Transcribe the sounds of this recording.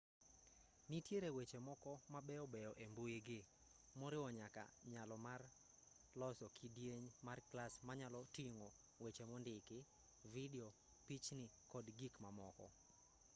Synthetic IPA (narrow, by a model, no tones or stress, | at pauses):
nitjeɾewet͡ʃemɔkɔmabɛɔbɛjɔʔembojeɡɪ | mɔɾɪwɔɲaka̰ɲalɔmar | lɔsɔkʰidjeɲmarklasmaɲalɔtiŋo | wet͡ʃemɔndɪkɪ | vidɛɔ | pit͡ʃnɪkɔdɡikmamɔkɔ̰